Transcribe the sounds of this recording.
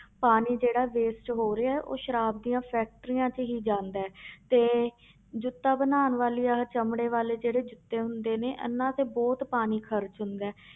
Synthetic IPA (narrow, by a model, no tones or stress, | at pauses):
paːniːd͡ʒeːɽaːʋeːsʈɦoːɾeaːɛʔo̰ːʃəɾaːb̚d̪iːãːpʰɛːk̚ʈəɾiːãːt͡ʃɦiːd͡ʒãːnd̪aɛːt̪eː | d͡ʒʊt̪ːaːbənaːnʋaːliːaːt͡ʃəmɽeːʋaːleːd͡ʒeːɽeːd͡ʒʊt̪ːeːɦʊnd̪eːneːʔə̰nːãːt̪eːbɔːt̪paːniːkʰəɾt͡ʃɦʊnd̪aɛː